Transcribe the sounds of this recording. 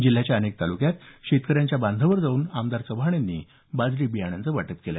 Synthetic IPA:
d͡ʑil̤ːjat͡ɕjaənek̚t̪alukjat̪ɕet̪kəɾjaɲt͡ɕjabãnd̪ʱəʋəɾd͡zauːnamd̪aɾt͡səbʱaɳ̃janːiː | bad͡zɾiːbijaɽ̃jãnt͡səʋaʈət̪kela̰

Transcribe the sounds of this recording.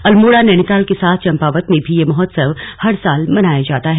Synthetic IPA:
ɐlmoːɽanɛɽ̃it̪aːlkesaːt̪ʰt͡ʃɐ̃mpaːʋət̪mẽbʱijemɔɦɔt̪səʋhɐɾsaːlmɐnaːjad͡ʒaːt̪aɦɛ

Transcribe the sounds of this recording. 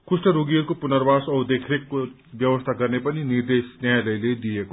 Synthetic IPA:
kusʈʌɾuɡiʌɾkopunəɾbasʌwd̪ekʰɾekːo | bjʌwʌst̪ʰaɡʌrnepʌniniɾd̪esnjajləjled̪ijeko

